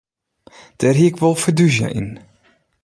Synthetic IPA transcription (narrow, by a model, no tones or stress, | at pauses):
d̥ɛrɦiɪkʋolˠfədyzjə̰ʔḭn